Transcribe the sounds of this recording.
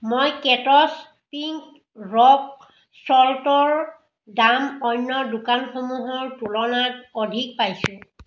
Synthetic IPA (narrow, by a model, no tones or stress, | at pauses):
mojkɛtɔs | piŋk | ɹɔk̚ | sɔltɔɹ | damɔjnːɔdukanxomuɦɔɹtulɔnatodʱik̚pajsʊ̃